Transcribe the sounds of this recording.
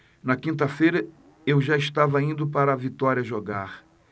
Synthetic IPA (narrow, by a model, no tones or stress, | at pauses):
nɐkĩnt̪ɐfejɾɐ | ewʒaɪʃt̪avɐĩnd̪ʊpaɾɐːvit̪ɔɾiɐʒoɡaɾ